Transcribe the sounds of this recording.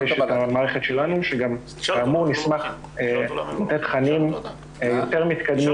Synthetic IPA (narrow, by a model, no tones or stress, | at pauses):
eʃet̪amaːʁeχet̪ʃelanuʃeɡamː | muʁnismaχ | lat̪et̪χanim | jo̞t̪eʁmit̪kad̪mu